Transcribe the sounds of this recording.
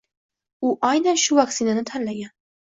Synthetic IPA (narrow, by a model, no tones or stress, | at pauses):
ʊʔajnanʃʊvaksɪnanɪt̪ʰanlaɡʲan